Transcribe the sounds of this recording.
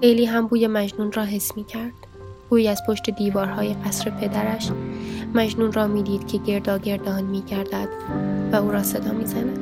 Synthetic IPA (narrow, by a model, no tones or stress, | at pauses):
ejliːɦæmbuːjemæd͡ʒnuːnrɒːɦe̞smiːcʰæɾd̪̥ | ɡ̥uːjæzpʰo̞ʃt̪e̞d̪iːvɒːɾhɒːje̞qæsɾe̞pʰe̞d̪æɾæʃmæd͡ʒnuːnrɒːmiːd̪iːd̪̥cʲʰe̞ɟe̞ɾd̪ɒːɟe̞ɾd̪ɒːnmiːɟæɾd̪æd̪̥væuːɾɒːse̞d̪ɒːmiːzænæd̪̥